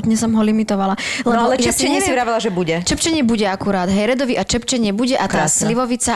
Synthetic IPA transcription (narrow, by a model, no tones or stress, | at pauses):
t̪ɲɛsɔmɦɔlimit̪ɔʋalalɛɔjɛsɛɲɛsivɾaːʋilaʒɛbuɟɛt͡ʃɛpt͡ʃɛɲɛbuɟɛakuɾaːd̪ɦɛɾɛd̪ɔʋiʔat͡ʃɛpt͡ʃɛɲɪɛbuɟɛʔat̪aasliʋɔʋit͡sa